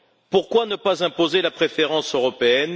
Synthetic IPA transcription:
puʁkwanəpazɛ̃pozelapχefeʁɑ̃søʁɔpeɛn

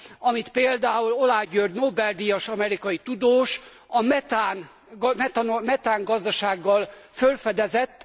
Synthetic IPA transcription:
ɒmit̪peːld̪aːulo̞laːɟørd̪noːbɛld̪ijɒʃɒmɛɾikɒjit̪ud̪oːʃ | ɒmɛt̪aːn | ɡɛt̪omɛt̪aːŋɡɒzd̪ɒʃaːɡːɒlfølfɛd̪ɛzɛt̪ː

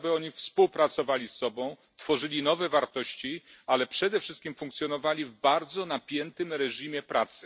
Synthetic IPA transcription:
bɘɔɲifspuwpɾat̪sɔvalʲisːɔbɔ̃w̃ | t̪fɔʐɘlʲinɔvɛvaɾt̪ɔɕt͡ɕialɛpʂɛd̪ɛfʂɘst̪̚kʲimfuŋkt̪sjɔnɔvalʲivbaɾd̪zɔnapʲjɛnt̪ɘmɾɛʐimʲjɛpɾat̪sɘ̥

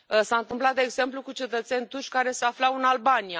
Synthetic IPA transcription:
saɨnt̪ɨmplat̪̚d̪eɡze̞mplukut͡ʃe̞t̪ət̪se̞nʲt̪uʃʲkaɾe̞seaflawɨnalbanija

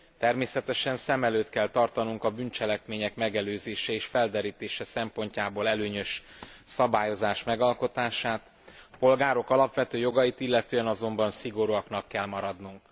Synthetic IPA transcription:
t̪ɛrmeːsɛt̪ɛʃɛnsɛmɛløːt̪kɛlt̪ɒrt̪ɒnuŋkɒbynt͡ʃɛlɛkmeːɲɛkmɛɡɛløːzeːʃɛeːʃfɛld̪ɛɾiːt̪eːʃɛsɛmpo̞ɲcaːboːlɛløːɲø̞ʃ | sɒbaːjo̞zaːʃmɛɡɒlko̞t̪aːʃaːt̪ | po̞lɡaːɾo̞kɒlɒpʋɛt̪øːjo̞ɡɒjit̪ilːɛt̪øːɛnɒzo̞mbɒnsiɡo̞ɾuɒknɒkːɛlmɒɾɒd̪nuŋk

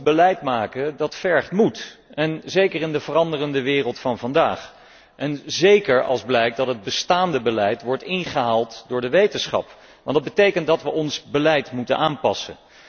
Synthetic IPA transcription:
bəlɛjtmaːkədɑtfɛɹχtmutɛnzejkərɪndəvərɑndərəndəʋɪːrəlˠtfɑnvɑndaːχ | ʔɛnzejkəɹɑ̰lˠzblɛjk̚dɑtɦəd̚bəstaːndəbəlɛjtʋɔɹtɪnχəɦaːlˠtdʊːɹdəʋejtənsχɑ̰p | ʋɑndɑd̚bətejkəntdɑtʋəʔɔnsbəlɛjtmutə̰nʔaːnpɑsə̰n

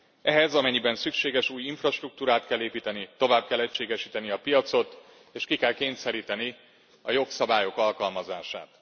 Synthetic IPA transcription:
ɛɦɛzɒmɛɲːibɛnsykʃeːɡɛʃuːjiɱfrɒʃt̪ruk̚t̪uːɾaːt̪kɛlːeːpiːt̪ɛnit̪o̞vaːb̚kɛlːɛcʃeːɡɛʃiːt̪ɛniɒpijɒt̪so̞t̪ | eːʃkikɛlkeːnsɛɾiːt̪ɛni | ɒjo̞ksɒbaːjo̞kɒlkɒlmɒzaːʃa̰ːt̪

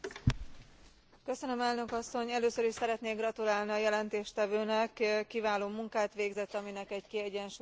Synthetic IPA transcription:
kø̞sønø̞mɛlnø̞kɒsːo̞ɲɛløːsøɾiʃsɛɾɛt̪neːɡrɒt̪ulaːlniɒjɛlɛnt̪eːʃt̪ɛvøːnɛkːivaːloːmuŋkaːt̪ʋeːɡzɛt̪ːɒminɛkɛɟkiɛɟɛnʃu

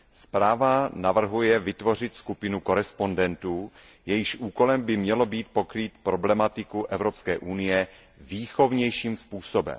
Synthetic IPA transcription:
spɾaːvanavr̩ɦujɛvɪt̪vo̞r̝ɪt̪skupɪnuko̞ɾɛspo̞ndɛnt̪uː | jɛjɪʃʔuːko̞lɛmbɪmɲɛlo̞biːt̪̚po̞kɾiːt̪pɾo̞blɛmat̪ɪkuʔɛvɾo̞pskɛ̰ːʔunɪjɛ | viːxo̞vɲɛjʃiːmspuːso̞bɛ̰m

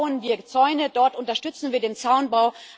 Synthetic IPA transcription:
ʊənviːɐt͡sɔʏnədɔɐtʔʊntɐʃtʏt͡sn̩viːɐdeːnt͡saʊnbaʊ

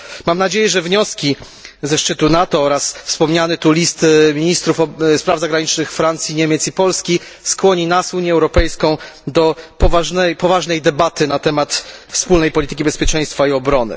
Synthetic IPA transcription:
mamnad͡ʑejɛʐɛvɲɔskʲi | zɛʂt͡ʂɘt̪unat̪ɔɔɾasfspɔmɲanɘt̪ulʲist̪mʲiɲist̪ɾufɔspɾavzaɡɾaɲit͡ʂnɘxfɾant̪sʲjiɲemʲɛt̪sipɔlskʲiskwɔɲinasuɲjɛwɾɔpɛjskɔ̃w̃d̪ɔpɔvaʐnɛjpɔvaʐnɛjd̪ɛbat̪ɘnat̪ɛmat̪fspulnɛjpɔlʲit̪ɘ̥kʲibɛspʲjɛt͡ʂɛ̃j̃st̪faiɔbɾɔnɘ̰

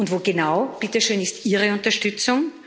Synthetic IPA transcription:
ʊntvoːɡenaʊb̥ɪtəʃøːnɪstiːʁəʊntɐʃtʏt͡sʊŋ

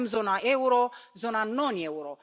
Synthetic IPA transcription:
mzɔnaʔɛwuɾɔzɔnanɔnɛwuɾɔ

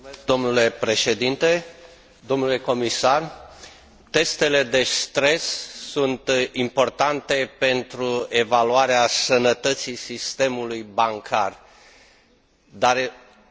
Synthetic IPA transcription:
k̚d̪o̞mnule̞pɾe̞ʃe̞d̪int̪e̞ | d̪o̞mnule̞ko̞misar | t̪e̞st̪e̞le̞d̪e̞st̪ɾe̞ssunt̪impo̞rt̪ant̪e̞pe̞nt̪ɾue̞valuaɾeasənət̪ət̪sisist̪e̞mulujbaŋkʰar | d̪aɾ

